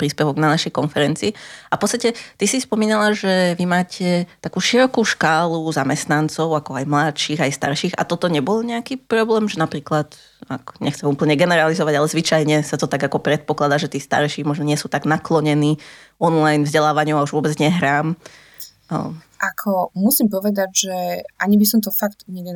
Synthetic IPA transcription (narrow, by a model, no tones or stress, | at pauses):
pɾiːspɛʋɔɡnanaʃɛjkɔnfɛɾɛnt͡siːʔafpɔtt͡sst̪acɛt̪isispɔmiːnalaʒɛʋimaːcʰɛt̪akuːʃiɾɔkuːʃkaːluzamɛst̪nant͡sɔʊakɔajmlat̪ʃiːɣajst̪a̰ɾʃiːɣa̰t̪ɔt̪ɔɲɛbɔlɲɛakiːpɾɔblɛːmʒɛnapɾiːklat̪ | a̰kɲɛxt͡sɛmuːpl̩ɲɛɡɛnɛɾalizɔʋaɟalɛzʋit͡ʃajɲɛsat̪ɔt̪aɡakɔpɾɛt̪̚pɔklad̪aːʒɛt̪iːst̪a̰ɾʃiːmɔʒnɔɲɪɛsuːt̪aɡnaklɔɲɛniːɔnlajnvzɟɛlaːʋaɲɪɔʊauʒʋʊɔbɛd͡zɲɛɦɾaːm̰ | ʔakʰɔmusimpɔʋɛd̪aɟʒɛʔaɲibisɔmt̪ɔfakt̪uɲɛɡɛ